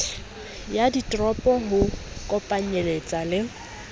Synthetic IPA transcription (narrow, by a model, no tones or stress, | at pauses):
jaditʼrɔpʼɔɦʊkʼɔpʼaɲelet͡sʼalɪ